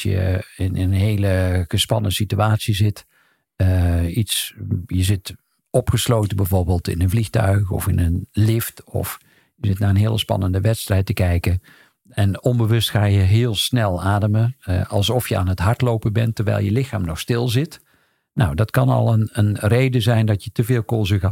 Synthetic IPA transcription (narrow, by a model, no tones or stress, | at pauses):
sjə̰ɪnənɦejləɣəspɑnəsityaːtsizɪt | əitsjəzɪt | ɔpχəslowtəbɛjvoːɹbeːlˠtɪ̰nənvlixtœ̰ɥxɔ̰fɪ̰nənlɪftɔ̰f | jəzɪtnaːɹənɦɪːəlˠəspɑ̰nəndəʋɛtstrɛjtəkɛjkə | ɛnɔmbəʋɵstxaːjəɦɪəlˠsnɛlˠaːdəməɑlˠsɔfjəa̰ːnətɦɑɹtlowpəbɛntərʋɛ̰jlˠjəlɪxaːmnɔxstɪlˠzɪt | na̰wdɑtkɑnɑ̰lˠənənrejdəzɛjndɑtjətəvɪːlˠkolˠzəɣa